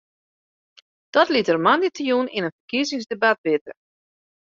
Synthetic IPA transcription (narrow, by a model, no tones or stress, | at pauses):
d̥ɔtlitərmanditjunɪnənfərkizɪŋzdebat̚ʋɪtə̰